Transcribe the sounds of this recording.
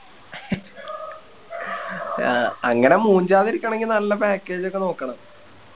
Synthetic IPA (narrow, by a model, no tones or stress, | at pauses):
ɐŋːɐne̞muːɲd͡ʑaːðiɾikʲːaɳe̞ŋɡinɐlːɐpaːkːe̞ːd͡ʑo̞kːe̞no̞ːkːɐɳɐm